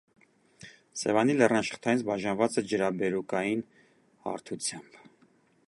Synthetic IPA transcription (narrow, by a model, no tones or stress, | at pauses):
sɛvɑnilɛrnɑʃə̥χt̪ʰɑjinsbɑʒɑnvɑt͡sɛd͡ʒəɾɑbɛɾukɑjin | hɑ̰ɾt̪ʰut͡sʰjɑmb